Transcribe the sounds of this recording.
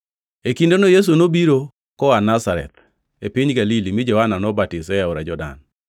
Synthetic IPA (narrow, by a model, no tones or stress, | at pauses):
ekindonojes̬unobiɾo | kɔanasaɾɛ̰t̪ | epiɲɡalilimɪd͡ʒɔhananɔbatisɛaɔɾad͡ʒɔda̰n